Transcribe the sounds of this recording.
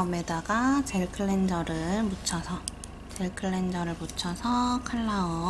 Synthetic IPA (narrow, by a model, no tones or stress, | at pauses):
ʌmedaɡat͡ɕe̞ɭkʰɯɭːe̞nd͡ʑʌɾɯɭmut͡ɕʰʌsʰʌ | t͡ɕe̞ɭkʰɯɭːend͡ʑʌɾɯɭmut͡ɕʰʌsʰʌkʰɯɭːao